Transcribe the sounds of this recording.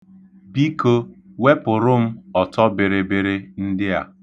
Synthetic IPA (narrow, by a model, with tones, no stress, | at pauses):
bi˦ko˦we˦pʊ˨ɾʊ˦m̩˦ɔ˨tɔ˦bɪ˨ɾɪ˨bɪ˦ɾɪ˦n̩˦dɪ˦a̰˨